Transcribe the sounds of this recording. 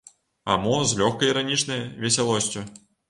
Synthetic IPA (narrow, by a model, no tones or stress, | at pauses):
a̰mɔzlʲɔxkɐjiɾanʲit͡ʂnɐjvʲɛsʲalˠɔsʲt͡sʲu